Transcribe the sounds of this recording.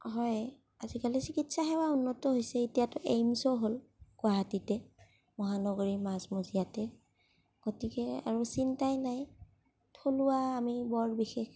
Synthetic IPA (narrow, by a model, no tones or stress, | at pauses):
ɦɔj | azikalisikitsaxɛwaunːɔtɔɦojsɛitijatʊʔejmsɔɦolɡ̥waɦatitɛ | mɔɦanɔɡoɹimasmozijatɛ | ɡ̥otikɛa̰ɹusintajnaj | tʰoluaːmibɔɹbixex